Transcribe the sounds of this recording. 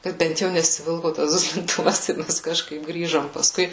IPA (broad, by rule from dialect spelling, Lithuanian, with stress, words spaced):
ˈkɐt ˈbʲɛnt jɛʊ nʲɛsʲɪˈʋʲɪlˠkoː tɐs dʊsʲlʲɪnˈtʊʋɐs ɪ ˈmʲɛs kɐʃˈkɐɪp ˈɡrʲiːʒoːm pɐsˈkʊɪ